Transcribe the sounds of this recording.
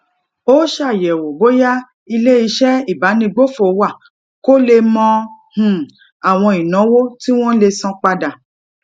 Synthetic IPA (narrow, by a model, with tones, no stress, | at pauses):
o˦ʃa˦˨jɛ˨wo˨bo˦ja˦ | i˧le˦i˧˦ʃɛ˦i˦˨ba˨˦nĩ˧ɡ͡bo˦fo˨wa˦˨ | ko˦le˧mɔ̃˧hũ˨ | a˨w̃ɔ̃˧i˨nɔ̃˨˦wo˦ti˦w̃ɔ̃˦le˧sɔ̃˧k͡pa˧da˨